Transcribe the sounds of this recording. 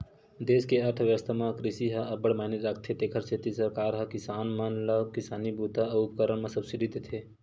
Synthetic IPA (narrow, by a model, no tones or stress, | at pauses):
d̪eːskeəɾt̪ʰʋjəʋəst̪ʰamãkɾɪsiɦɐɐbəɽmaːɦneɾakʰt̪ʰet̪eːkʰəɾset̪isəɾkaːɾɦɐkɪsaːnmɐnləbkɪsaːnibut̪aəʊpəkəɾəɳmãsɐbsiɖit̪et̪ʰe